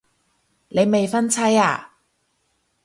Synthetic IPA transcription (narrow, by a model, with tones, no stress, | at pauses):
ne˨˧jme˨jfɐ˥nt͡sʰɐ˥jaː˧˩